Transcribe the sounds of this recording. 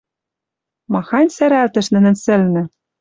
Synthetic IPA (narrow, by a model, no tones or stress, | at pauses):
mɑxɑnʲsæɾælt̪ɘ̆ʃnɘ̆nɘ̆nsɘ̆lnɘ̆